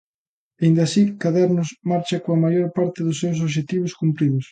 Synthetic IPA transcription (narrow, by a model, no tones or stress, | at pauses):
aind̪ɐsikaðaɾnʊsmaɾt͡ʃɐkoɐmajoɾpaɾt̪ɪðʊsːews̬oβʃ̬et̪iβ̞ʊskumpɾiðʊs